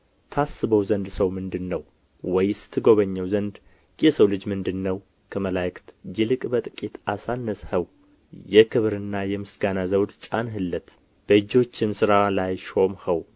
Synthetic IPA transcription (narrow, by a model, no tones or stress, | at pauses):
t̪ʰasːɨβəwzənd̪səwmɨnd̪ɨnːəw | wɔjst̪ʰɨɡo̞βəɲːəwzənd̪ | jɛsəwlɨd͡ʒmɨnd̪ɨnːəw | kʰəməlajkt̪d͡ʒɪlɨkʼbət̪ʼɨkʼit̪asanːəshəw | jɛkʰɨβɾɨnːajɛmɨsɡanazəwd̪t͡ʃʼanɦɨlːət̪ | b̥əd͡ʒo̞t͡ʃːɪmsɨɾalajʃo̞mhəw